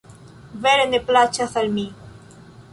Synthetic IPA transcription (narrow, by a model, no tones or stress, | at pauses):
veɾeneplat͡ʃaθalmi